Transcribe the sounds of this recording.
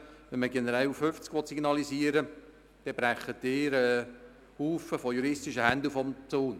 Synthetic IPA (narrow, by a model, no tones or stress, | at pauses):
ʋɛnməɡɛnəɾɛlufʏft͡skʋɔt̪siɡnɑlisiəɾə | d̪̥ɛb̥ɾæχːətːɪːɾɛ | huːfəfɔjuɾɪstɪʃəhændufɔmt͡soːn